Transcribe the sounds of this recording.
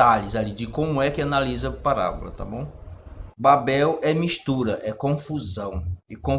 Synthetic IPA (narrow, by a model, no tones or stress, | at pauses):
aʎɪzalid͡ʒɪkõmʊɛkɪanalizɐpaɾa̰bṵlɐ̰t̪a̰bõw̃babɛwɛmiʃt̪uɾɐʔɛkõfuzɐ̃w̃ɪkõ